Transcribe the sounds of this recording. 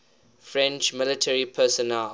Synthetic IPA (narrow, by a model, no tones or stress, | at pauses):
fɹɛ̃nt͡ʃmɪlɪtʰɛɹipʰɛsɔnɛl